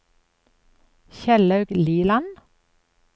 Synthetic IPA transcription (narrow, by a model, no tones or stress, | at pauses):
çɛlœʉɡliːlɑn